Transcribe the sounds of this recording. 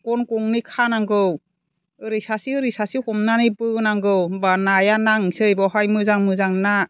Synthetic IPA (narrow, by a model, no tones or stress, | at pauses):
kɔnkɔŋnikʰanaŋɡɯw | ɯɾisasiɯɾisasihɔmnanibɯnaŋɡɯwbanajanaŋsɯjbɔɦajmɯzaŋmɯzaŋna